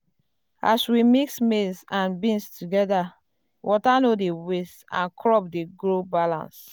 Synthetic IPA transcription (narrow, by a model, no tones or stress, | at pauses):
a̰swimiksmesãnbĩnstʰuɡɛda | wʔɔtanodewestã̰nkʰɹɔp̚deɡɹobalã̰ns